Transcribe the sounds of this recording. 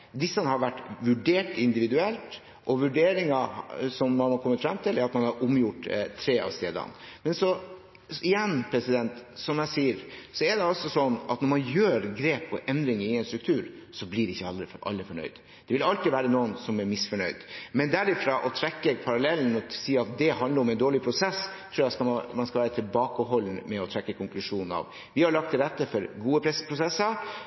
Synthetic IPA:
d̪ɪsːɑnəhɑɾʋæʈːʋʉɖeːʈɪnd̪ɪʋɪd̪ʉɛlt̪ | ʔɔʋʉɖeːɾɪŋɑsɔmːɑnhɑɾkʰɔmːət̪fɾɑmt̪ʰɪlæɾɑt̪mɑnhɑɾʔʊmjʊʈːt̪ʰːɾeːɑ̰ʋst̪eːd̪ɑ̰nmɛnsɔ | ɪjɛnːpʰɾɛsɪd̪ɛnt̪sɔmjæɪsiːəɾsɔɛɖ̪ɛɔsɔsɔnːɑ̰t̪nɔɾmɑnjøːɾɡɾeːpʰɔʔɛnd̪ɾɪŋɾɪɛnst̪ɾʉkt̪ʰʉːɾ | sɔblɪɖɛɪçːəɑəʔɑ̰lːəfɔɳœ̰ʏd̪ | d̪ɛʋɪlɑlt̪ɾiʋæːɾənuːənsɔmæɾmɪsfɔɳœʏd̪mɛnd̪æɾɪfɾɑːʔɔt̪ʰɾɛkːəpʰɑɾɑlɛln̩ɔɔsiːɑt̪̚d̪ɛhɑnd̪əɾɔmɛnd̪oːɭɪpʰɾʊsɛst̪ʰɾuːæskɑmɑnskɑlʋæːɾət̪ʰɪlbɑːkəɦɔlːnəmɛɔt̪ʰɾɛkːəkʰɔŋklʉʂuːnn̩ɑ̰ʋ | ʋɪhɑɾɭɑk̚t̪ʰːɪlɾɛt̪ːəfɔɾɡuːəpʰɾɛspʰɾʊsɛsːəɾ

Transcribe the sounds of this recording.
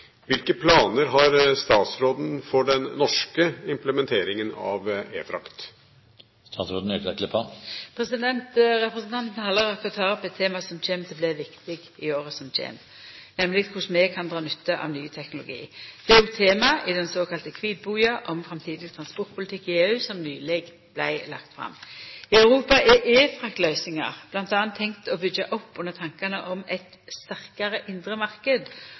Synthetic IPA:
ʋɪlkəpʰlɑːnəɾɦɑɾst̪ɑːt̪sɾoːd̪n̩fɔɖɛnnɔʂkəɪmpləmɛnt̪ʰeːɾɪŋənɑ̰ʋḛːfɾɑ̰kt̪ | st̪ɑːt̪sɾoːd̪n̩øklɛkləpʰɑpʰɾɛsɪd̪ɛnt̪ʁɛpɾəsnt̪ʰɑnt̪n̩hɑlːəɾɑkːɔt̪ʰɑːɾɔpːɛt̪ʰːeːmɑsɔmt͡ʃʰeːmt̪ʰɛblɛʋɪkt̪ɪɡɪoːʁəsɔmt͡ʃʰḛːm | nɛmlɪkkʰʊsmɛkʰɑnd̪ʁɑːnʏt̪ːəʔɑ̰ʋnyːt̪ʰɛknʊlʊ̰ɡḭːd̪̥ɛʊt̪ʰːeːmɑɪd̪ɛnsoːkʰɑlt̪əkʰʋiːd̪̚buːɑʔɔmfʁɑmt̪ʰiːd̪ɪst̪ʰʁɑnspɔɾt̪̚pʰʊlɪt̪ʰɪkːɪeːʉːsɔmnyːlɛɡ | blæ̰ɪlɑ̰kt̪fɾɑ̰mːɪɑʉʁuːpɑʔɛʔeːfʁɑkt̪lœʏsɪŋɑ̰ʁb̥lɑnt̪ɑːɑnt̪ʰːɛŋkt̪ɔbʏɡːəʔɔpːʉnːət̪ʰɑŋkɑnəʔɔmɛɪt̪ | st̪æʁkɑʁəʔɪnd̪ʁəmɑʁkəd̪

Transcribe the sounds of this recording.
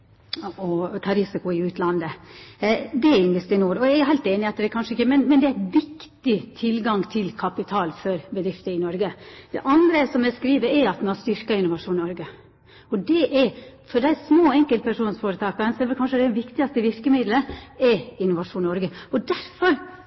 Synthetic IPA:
ɔt̪ʰɑːɾɪsɪkʊɪʉːt̪lɑnd̪ə | d̪ɛɪnʋɪst̪ːnuːɾɔjææɦæɪlt̪eːnɪɑt̪d̪ɛkʰɑnʂəɪkːəmɛnmɛnd̪ɛææʋɪkt̪ɪt̪ʰɪlɡɑŋt̪ʰɪlkʰɑpɪt̪ʰɑːlfɔɾbəd̪ɾɪft̪əɪnɔɾɡəd̪̥ɛ̰ʔɑnd̪ɾəsɔmɛskɾiːʋəɾɛɾɑt̪mɛnɑst̪ʏɾkɑɪnʊʋɑʂuːnnɔɾɡə | ɔd̪ɛʔɛɾfɔɖæɪsmoːɛŋkəlt̪̚pʰæʂuːnsfoːɾət̪ʰɑːkənsɔd̪ɛʋɛlkʰɑnʂəd̪æʋɪkt̪ɪɡɑst̪əʋɪɾkəmɪd̪ləɛɾɪnːʊʋɑʂuːnːɔɾɡəɔd̪æɾfɔɾ

